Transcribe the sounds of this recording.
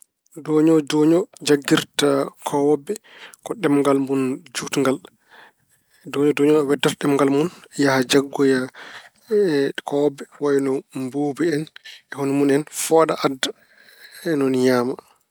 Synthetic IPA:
doɲɔd͡ʒoɲɔd͡ʒaɡːiɾtakʰɔwbːɛkɔɗɛmŋɡalmund͡ʒutŋɡal | dɔɲɔdɔɲɔɔwɛdːataɗɛmŋɡalmunjahad͡ʒaɡːɔja | kʰɔwɔbːɛwajnɔmboːbɛɛnɛhonimunɛnfɔɗaʔadːa | ɛnɔnɲaːma

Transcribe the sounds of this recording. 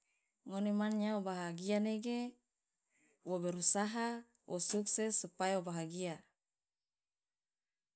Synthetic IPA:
ŋonemanɲaobaɦaɡianeɡe | wobeɾusaɦa | wʔosuksesupajaobaɦaɡia

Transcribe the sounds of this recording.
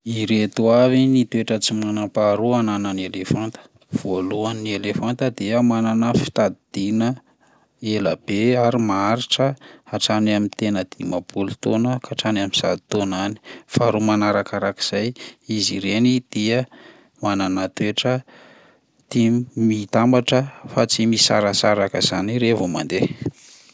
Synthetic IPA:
iɾet̪uavinit̪ueʈ͡ʂət͡simanapaɾuanananelefant̪ə̥ | v̥oluanielefant̪əd̪eəmananəfi̥t̪ad̪id̪̥inə | eləb̥eaɾimaɾiʈ͡ʂəaʈ͡ʂanamint̪enəd̪̥imab̥ulut̪onəkʰaʈ͡ʂanamiz̥a̰d̪it̪onani̥faɾumanaɾakaɾaki̥z̥ajiziɾenid̪̥iə | mananat̪weʈ͡ʂə | t̪imit̪ambaʈ͡ʂəfat͡simisa̰ɾəsaɾakəz̥aniɾevoma̰nd̪e

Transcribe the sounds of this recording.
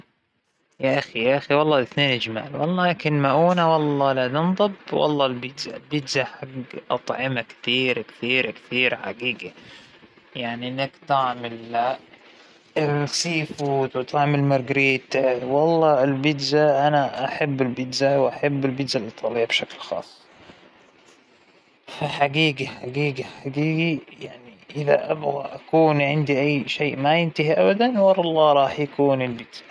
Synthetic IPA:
jaʔaxijaʔaxiwɑlˤːɑːʔɪθneːnʔɪd͡ʒma̰ːlwɑ̰lˤːɑːakɪnmaʔuːnawɑlˤːɑːlad̪ɪnðˤɑbwɑ̰lˤːɑːlbɪd̪za̰lbɪd̪zaħaɡʔɑ̰t̪ˤʕɪmakt̪iːɾakt̪iːɾakt̪iːɾħa̰ɡiːɡa | jaʕniʔɪnːakt̪ɪʕmɪl | siːfuːt̪wɪt̪ʰaʕmalmɑɾˤɡɾiːt̪wɑlˤːɑːɪlbɪd̪zaʔanaʔaħabːɪlbɪd̪zawʔaħabːɪlbɪd̪zalʔɑt̪ˤʰːɑːlɪjːabʃaklxɑ̰ːsˤː | faħaɡiːɡaħaɡiːɡaħaɡiːɡijaʕniʔɪða̰ʔabɣaʔakuːnʕɪnd̪iʔajːʃeːʔmajɪnt̪ahiʔabad̪anwɑɾˤɑlˤːɑːɾˤɑːħjakuːnɪlbɪd̪z̥ḁ

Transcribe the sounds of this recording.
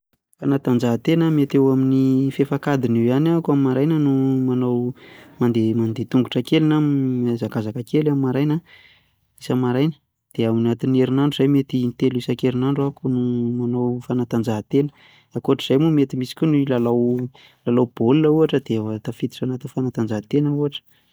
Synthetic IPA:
fanat̪and͡ʒaɦat̪enəmet̪ewaminifefakad̪iniwanakamimaɾajnənumanawmand̪emand̪et̪uŋɡuʈ͡ʂəkelinamazakazakəkelamimaɾajnə | isəmaɾajnə̥ | d̪̥eaminat̪ineɾinaɳɖ͡ʐuz̥ajmet̪init̪elisakeɾinaɳɖ͡ʐuakunumanawfanat̪and͡ʒaɦt̪enə̥ | akuaʈ͡ʂiz̥ajmumet̪imisi̥kʲunilalaw | lalawb̥olinəuaʈ͡ʂəd̪̥evat̪afit̪i̥ʈ͡ʂanat̪infanat̪and͡zaɦat̪enəuaʈ͡ʂə̥

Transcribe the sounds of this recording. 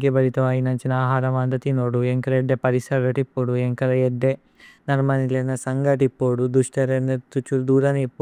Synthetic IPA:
ɡɐbɐɾit̪ɐʋaːjinɐɲt͡ʃinaːɦaːɾɐʋaːnd̪ɐt̪ːinoːɽueŋkɐɾɐeɖːepɐɾisɐʋɐʈipːoːɽueŋkɐɾɐjeɖːe | nɐrmɐnilenːɐsɐŋɡɐʈipːoɽud̪uʂʈɐɾenːɐt̪ut͡ʃːuld̪uːɾɐnipːo

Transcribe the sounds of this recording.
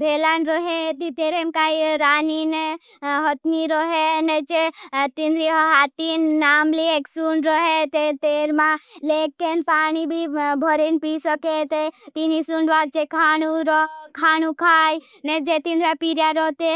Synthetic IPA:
bʱeːlanɾɔɦet̪it̪eːɾemkaːjɾaːnine | ɦɔt̪niɾɔɦenet͡ʃet̪ind̪ɾiɦat̪inːaːmlieksuɳɖɾɔɦet̪et̪eɾmãlekːenpaːñibʱibʱɔɾenpisəket̪et̪inisuɳɖʋalt͡ʃekʰanuɾɔkʰaːnukʰaːj | ned͡ʒet̪ind̪ɾapiɾjaɾɔt̪e

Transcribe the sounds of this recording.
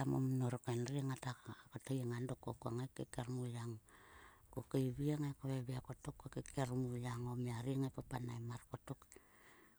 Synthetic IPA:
amo̰mnoɾokenriaŋatakotajaŋandokokuaŋajkekeɾmujaŋ | kokaiβiaŋajkaβeβiakotokːokekʰeɾmujaŋomiaɾiŋapapanajmaɾkotuk

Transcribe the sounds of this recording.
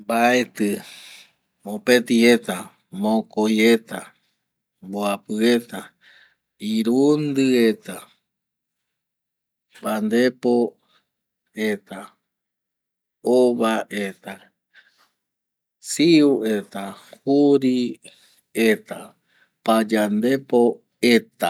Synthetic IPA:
baet̪ɨ | mõpet̪iet̪a | mõkojet̪a | mboapɨet̪a | iɾund̪ɨet̪a | band̪epo | et̪a | oβaʔet̪a | siuet̪ahuɾi | et̪a | pad͡ʒand̪e̞po | et̪a

